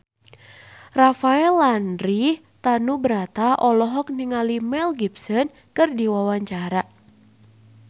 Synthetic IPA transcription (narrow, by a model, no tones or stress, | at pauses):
rafaɛlːanɾi | t̪anubəɾat̪aʔɔlɔɦɔk̚niŋalimɛlɡibsɔn | kɨrdiwawaɲt͡ʃaɾa